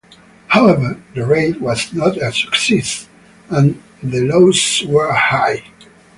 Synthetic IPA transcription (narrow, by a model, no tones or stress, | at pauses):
haʊɛvə˞ðəɹeɪtwʌznɔɾɨsə̥ksɛs | ə̃n | ðəloʊswə˞haɪ